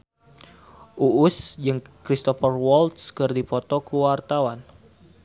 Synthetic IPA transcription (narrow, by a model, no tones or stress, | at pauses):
ʔuʔʊsd͡ʒɨŋkɾist̪ɔfərwɔlt̪skɨrdipɔt̪ɔkuwart̪awan